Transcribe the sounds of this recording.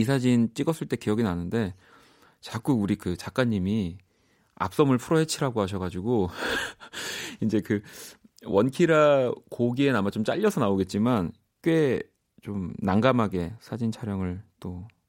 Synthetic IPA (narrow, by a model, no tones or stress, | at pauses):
isʰad͡ʑint͡ɕ͈iɡʌs͈ɯɭt͈e̞kijʌɡinanɯnde̞ | t͡ɕak͈uɡuɾikɯt͡ɕak͈aɲːimi | a̰p̚s͈ʌmɯɭpʰuɾʌɦe̞t͡ɕʰiɾɦaɡoɦaɕ̬ʰʌɡad͡ʑiɡo | ind͡ʑe̞kɯ | wʌnkʰiɾakoɡienamat͡ɕomt͡ɕ͈a̰ʎːʌsʰʌnaoɡe̞t̚t͡ɕ͈iman | k͈we̞ | t͡ɕomnaŋɡamɦaɡe̞sʰad͡ʑint͡ɕʰaɾjʌŋɯɭt͈o